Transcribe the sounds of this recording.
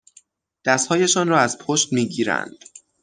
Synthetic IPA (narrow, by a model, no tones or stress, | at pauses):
d̪̥æst̪hɒːje̞ʃɒːnrɒːæzpʰoʃt̪miːɟiːɾæ̰nd̪̥